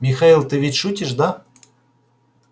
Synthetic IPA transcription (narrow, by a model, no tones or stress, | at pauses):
mʲɪxailˠt̪ɨvʲɪtʲʂutʲɪʂd̪a